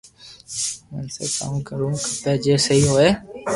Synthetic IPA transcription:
nsḛːkə̰mkəɾũːkəpeːd͡ʒeːsəiːɦoːeː

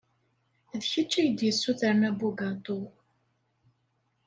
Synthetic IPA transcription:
ðçət͡ʃːæjəd̪jəsːuθəɾnæbuɡat̪ˤo

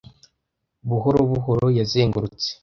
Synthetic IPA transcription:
βuɦoɾoβuɦoɾojazeːŋɡuɾut͡se̥

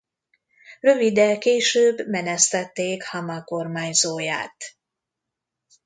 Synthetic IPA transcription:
rø̞vid̪ɛlkeːʃøːbːmɛnɛst̪ɛt̪ːeːkhɒmɒko̞rmaːɲzoːja̰ːt̪

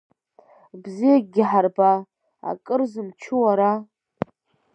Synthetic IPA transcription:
bzijaɡʲɪħarba | a̰kʼɨrzɨmt͡ʃʰuwaɾa

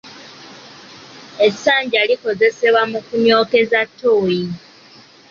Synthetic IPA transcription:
e̞saːɲɟaliko̞ze̞se̞βwamukuɲo̞ːke̞zatːoːji

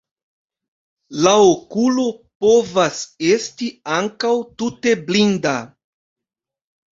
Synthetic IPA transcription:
laokulo̞po̞vase̞stiaŋkawtute̞blinda

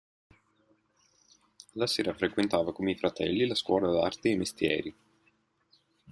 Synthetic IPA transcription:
lasɛːɾafɾekwent̪aːvakomeifɾat̪ɛ̰lːilaskwɔːlad̪a̰rt̪eejmest̪jɛ̰ːɾi

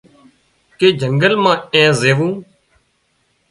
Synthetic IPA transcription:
keːd͡ʒʱəŋɡəlmãːẽːzeːʋũː

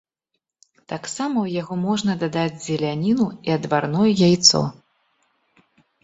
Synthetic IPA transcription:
t̪aksamɐwjaɣɔmɔʐnɐd̪ad̪ad͡zʲzʲɛlʲanʲinuiɐd̪varnɔjɛjajt̪sɔ̰

